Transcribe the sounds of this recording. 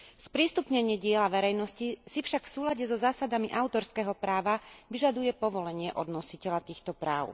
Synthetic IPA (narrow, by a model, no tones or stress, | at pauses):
spɾiːst̪upɲɛɲɪɛɟɪɛlaʋɛɾɛjnɔscisifʃakfsuːlaɟɛzɔzaːsad̪amiʔaʊt̪ɔɾskɛːɦɔpɾaːʋaʋiʒad̪ujɛpɔʋɔlɛɲɪɛʔɔd̪nɔsicɛʎat̪iːxt̪ɔpɾa̰ːʊ